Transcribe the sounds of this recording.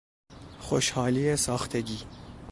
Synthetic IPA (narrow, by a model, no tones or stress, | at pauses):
xoʃhɒːliːesɒːxt̪ʰeɡiː